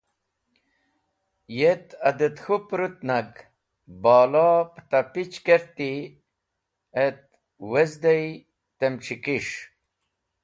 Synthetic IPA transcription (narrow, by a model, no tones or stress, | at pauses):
jet̪ɐd̪et̪xupɾut̪naɡ | bɑːlɑpt̪ɐpit͡ɕkeɾt̪i | et̪̚ | wezd̪ej | t̪emʈ͡ʂikiʂ